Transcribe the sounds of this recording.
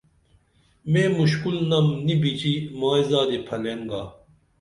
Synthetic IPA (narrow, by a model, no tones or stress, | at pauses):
meːmuɕkulnɐmnibit͡ɕimaːizaːd̪epʰɐleŋɡa